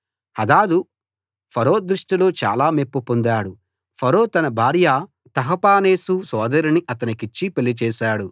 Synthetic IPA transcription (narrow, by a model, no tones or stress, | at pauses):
ɐd̪aːd̪u | pʰɐɾo̞ːd̪ɾuʂʈilo̞ːt͡ʃa̰ːlaːmepːupond̪aːɽu | pʰɐɾo̞ːt̪ɐnɐbʱaːɾja | t̪ɐɦɐpaːne̞ːsusɔːd̪ɐɾiniʔɐt̪ɐnikit͡ʃːipelːit͡ʃɛːʃaːɽu